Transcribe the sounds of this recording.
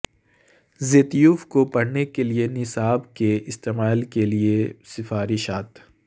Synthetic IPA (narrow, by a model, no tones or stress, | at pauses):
zeːt̪juːfkopɐɽnekelienɪsaːbkeʔɪst̪eːmaːlkeliesɪfaːɾɪʃaːt̪